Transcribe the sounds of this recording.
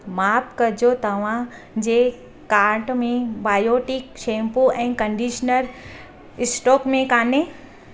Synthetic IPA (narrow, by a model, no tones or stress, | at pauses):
maːpkɐɾd͡ʑot̪ɐʋ̤ã | d͡ʑeː | kaːɾʈmẽbaːjoːʈɪkʃẽːmpoʔɛ̃ːkɐ̃ɳɖiːʃnəɾ | ɪsʈɔːkmẽkaːne